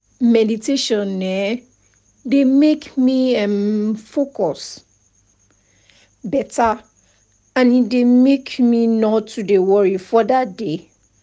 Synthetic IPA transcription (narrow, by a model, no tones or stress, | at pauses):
mɛditʰeʃɔ̃nːɛ | demekmiɛ̃mfokɔs | bɛta | ãnidemekminɔtudewɔɹifɔdatde